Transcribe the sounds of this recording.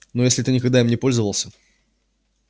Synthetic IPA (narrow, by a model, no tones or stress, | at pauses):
nojesʲlʲɪt̪ɨnʲɪkɐɡ̚d̪aɪmnʲɪpo̞lʲzəvəlˠsʲə